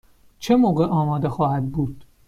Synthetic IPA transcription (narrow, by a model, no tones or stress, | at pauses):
t͡ʃʰe̞moːɣeʔɒːmɒːd̪e̞xɒːhæd̪̚buːd̪̥